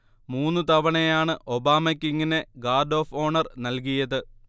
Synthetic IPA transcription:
muːnːɨt̪ɐʋɐɳejaːɳɨʔo̞baːmɐkʲːiŋːine̞ɡaːrɖo̞ːfo̞ːɳɐrnɐlk̬ijɐðɨ

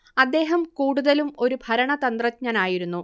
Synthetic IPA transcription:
ɐd̪ːe̞ːɦɐmkuːɽuðɐlumo̞ɾubʱɐɾɐɳɐt̪ɐnd̪rɐtɲɐnaːjiɾunːu

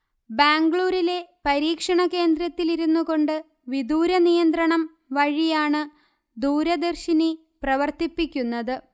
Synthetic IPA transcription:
baːŋɡɭuːɾile̞pɐɾiːkʂɐɳɐke̞ːnd̪ɾɐt̪ːiliɾunːuɣo̞ɳɖɨ | ʋid̪uːɾɐnijɐnd̪rɐɳɐm | ʋɐɻijaːɳɨ | d̪uːɾɐd̪ɐrɕini | prɐʋɐrt̪ipːikʲːunːɐðɨ

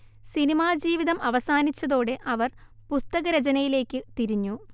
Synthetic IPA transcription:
sinimaːd͡ʑiːʋiðɐmɐʋɐsaːnit͡ɕːɐðo̞ːɽe̞ʔɐʋɐrpust̪ɐɣɐɾɐt͡ɕɐnɐjile̞ːkʲːɨt̪iɾiɲːu

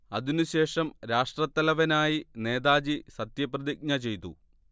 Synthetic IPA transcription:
ɐðinuɕe̞ːʂɐmɾaːʂʈrɐt̪ːɐlɐʋɐnaːjine̞ːd̪aːd͡ʑisɐt̪jɐprɐðiɡ̚ɲɐt͡ɕe̞jt̪ṵ

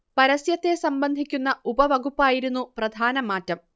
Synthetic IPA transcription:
pɐɾɐsjɐt̪ːe̞sɐmbɐnd̪ʱikʲːunːɐubɐʋɐɡupːaːjiɾunːuprɐd̪ʱaːnɐmaːtːɐm

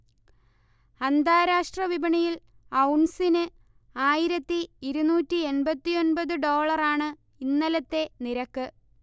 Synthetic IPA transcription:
ɐnd̪aːɾaːʂʈrɐʋibɐɳɐjil | ɐwɳsinɨ | aːjiɾɐt̪ːiːɾunuːtːie̞nbɐt̪ːijo̞nbɐðɨɖo̞ːɭɐraːɳɨ | inːɐlɐt̪ːe̞niɾɐkːɨ

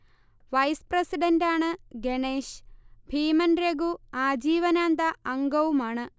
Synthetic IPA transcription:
ʋɐjspɾesiɖɐɳɖaːɳɨɡeɳeːʂbʱiːmɐnɾeɡuaːd͡ʑiːʋɐnaːnd̪ɐʔɐŋɡɐwumaːɳɨ

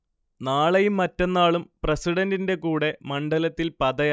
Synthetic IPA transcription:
naːɭɐjumːɐtːenːaːɭumprɐsiɽɐndinde̞kuːɽe̞mɐɳɖɐlɐt̪ːilpɐðɐj

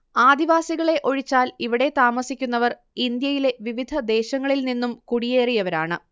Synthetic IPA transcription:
aːd̪iʋaːsiɣɐɭe̞ʔo̞ɻit͡ɕːaːliʋiɽe̞t̪aːmɐsikʲːunːɐʋɐr | ind̪jɐjile̞ʋiʋid̪ʱɐd̪e̞ːɕɐŋːɐɭilninːumkuɽije̞ːrijɐʋɐɾaːɳɨ

